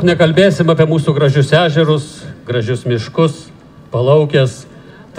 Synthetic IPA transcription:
knʲɛkɐlʲbʲeːsʲɪmɐːpʲiɛmuːsuːɡɾɐʒʲʊsæːʒʲɛɾʊsɡɾɐʒʲʊsmʲɪʃkʊs | pɐlˠɐʊkʲɛs | t̪

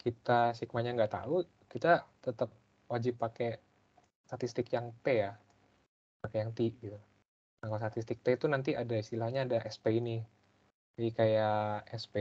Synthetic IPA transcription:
kit̪asik̚maɲaŋɡat̪a̰u | kit̪at̪ət̪əp̚ | wad͡ʒɪpːake | st̪at̪ist̪ɪkjaŋt̪eja | pakejaŋt̪iɡit̪u | aŋkast̪at̪ist̪ɪk̚t̪et̪unant̪̬iadaist̪ilahɲaːdaʔɛspeini | aikajaɛspe

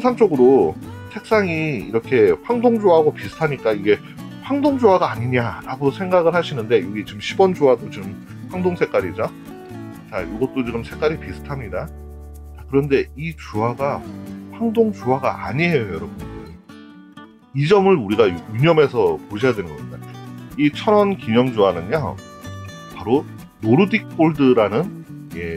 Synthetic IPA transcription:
nsʰaŋt͡ɕ͈oɡɯɾosʰe̞k̚s͈aŋiːɾʌkʰe̞ɸwaŋdoŋd͡ʑoɦaɡopisʰɯ̥tʰaɲik͈aiɡe̞ | ɸwaŋdoŋd͡ʑoɦaɡaːɲiɲaɾaɡosʰe̞ŋɡaɡɯɭhaɕʰinɯnde̞joɡit͡ɕimɕʰibʌnd͡ʑoɦadot͡ɕɯm | ɸwaŋdoŋsʰe̞k͈aɾid͡ʑa | t͡ɕajoɡʌt̚t͈ot͡ɕiɡɯmsʰe̞k͈aɾipisʰɯ̥tʰamɲida | akɯɾʌnde̞it͡ɕuɦaɡaɸaŋdoŋt͡ɕuɦaɡa̰ʔaɲiɦejojʌɾʌbunde | id͡ʑʌmɯɭuɾiɡauɲʌme̞sʰʌpoɕʰʌjadwenɯnɡʌmɲidait͡ɕʰʌɾʌnkimʌŋd͡ʑuanɯɲa | paɾo | noɾudik̚p͈oɭdɯɾanɯn | je̞

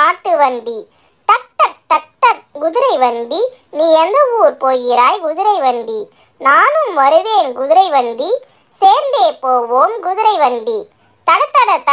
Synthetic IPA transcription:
aːʈːɯʋɐɳɖi | t̪ɐk̚t̪ɐk̚t̪ːɐk̚ʈ̪ːɐɡʊðɪɾɐɪʋɐɳɖiniːɛnd̪ɐʋuːɾpoːjɪɾaːjɡʊðɪɾɐɪʋɐɳɖi | naːnɯmʋɐɾɯʋeːnɡʊðɪɾɐɪʋɐɳɖi | seːɾnd̪eːpoːʋoːmɡʊðɪɾɐɪʋɐɳɖi | t̪ɐɽɐt̪ːɐɽɐt̪ːɐ

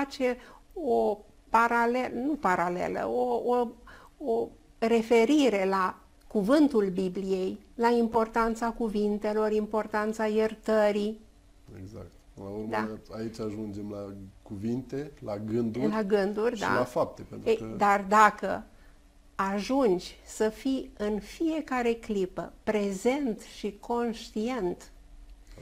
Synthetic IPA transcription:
at͡ʃe̞o | paɾalenupaɾale̞̰lə̰oo | o | ɾe̞fe̞ɾiɾe̞la | kuvɨnt̪ulbiblije̞jlaimpo̞rt̪ant̪sakuvint̪e̞lo̞rimpo̞rt̪ant̪sajert̪əɾi | ḛɡza̰k̚t̪ɨlauɾmd̪a̰ait͡ʃaʒund͡ʒe̞mlakuvint̪e̞laɡɨnd̪ulaɡɨnd̪urʲd̪a̰lafap̚t̪epent̪ejd̪ard̪akə̰ | aʒund͡ʒʲsəfiɨnfije̞kaɾe̞klipə̰pɾe̞ze̞nt̪ʃikʰo̞nʃt̪ie̞nt̪

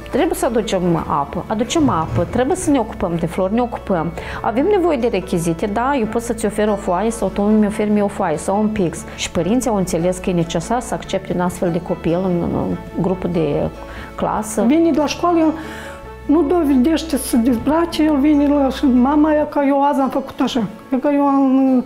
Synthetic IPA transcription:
t̪ɾe̞bujesəad̪ut͡ʃema̰pəʔad̪ut͡ʃe̞mapət̪ɾe̞bujesəneo̞ku̥pəmd̪e̞flo̞rne̞o̞ku̥pəm | a̰ve̞mne̞vo̞je̞d̪e̞ɾe̞kʲizit̪ed̪ajewpo̞t̪sət̪sʲo̞fe̞ɾo̞foajəsawt̪ommeofe̞rmiofoajesawunpiks | ʃi̥pəɾint̪siawɨnt̪se̞le̞skəjene̞t͡ʃe̞sarsəakt͡ʃe̞p̚t̪ʲunast̪fe̞ld̪e̞ko̞pilɨnɨ̰nɡɾupd̪e̞ | kla̰səvinʲed̪laʃkaljel | nud̪oved̪eʃt̪ʲesəd̪ʲizbɾat͡ʃejelvinʲelaʃɨmamaːjakajewazamfəku̥t̪aʃa | ekajewam

